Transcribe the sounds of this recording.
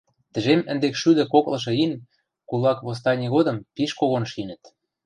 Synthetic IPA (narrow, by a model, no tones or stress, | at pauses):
t̪ə̆ʒemə̆nd̪ekʃyd̪ɘ̆koklɤ̆ʃ̬ɤ̆in | kulɑkβos̬t̪ɑnʲiɣod̪ɤ̆mpiʃkoɣonʃinə̆t̪